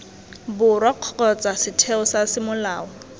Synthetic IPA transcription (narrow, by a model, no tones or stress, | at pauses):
bʊrwaq͡χʰɔɔt͡sʼasɪtʰeɔsasɪmʊlaːɔ